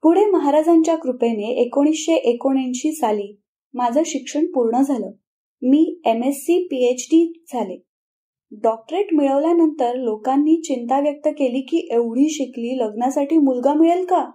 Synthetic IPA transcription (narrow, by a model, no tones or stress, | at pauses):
puɽ̤eməɦaɾad͡zaɲt͡ɕjakɾupeneʔekoɽ̃isɕeʔekoɽ̃inɕiːsaliː | mad͡zʱəɕikʂəɳpuɾɳəd͡zʱaləː | miːemesːiːpiet͡ɕɖid͡zʱale | ɖɔk̚ʈɾeʈmiɭəʋljanənt̪əɾlokanːiːt͡ɕint̪aʋjək̚t̪əkeliːkiːʔeʋɽ̤iːɕikliːləɡnasaʈiːmulɡamiɭəlka